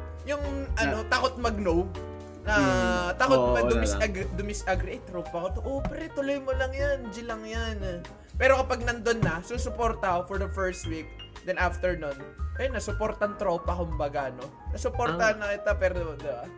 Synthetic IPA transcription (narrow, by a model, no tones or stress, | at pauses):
jʊŋʔɐno̞t̪aːkot̪̚mɐɡ̚now | nɐt̪aːkot̪ɐd̪ʊmɪsd̪ʊmɪsʔaɡɾɪʔejt̪ɾopɐkot̪oʔopɛɾɛt̪ʊlojmolɐŋjand͡ʒɪlɐŋjan | pɛːɾo̞kɐpɐɡ̚nɐnd̪onːɐsusʊpo̞ɾt̪ɐofɔɹd̪ɐfɛɹst̪wik̚d̪ɛnʔaft̪ɛɹnonʔɐnɐsʊpo̞ɾt̪ɐɐŋt̪ɾo̞pɐkʊmbaɡaɐno̞ | nɐsʊpoɾt̪ɐnɐkɪt̪apɛːɾod̪ɪba